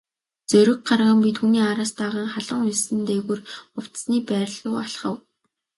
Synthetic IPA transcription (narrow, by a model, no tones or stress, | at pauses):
t͡sɵɾʲɪ̆k̚ɢarʁə̆mpit̪ʰxuːniːaɾaːst̪aːʁaːŋχaɮə̆ŋʊjsɘ̆nt̪eːɣurʊw̥t̪sniːpæːɾʲɮʊːaɬχə̆w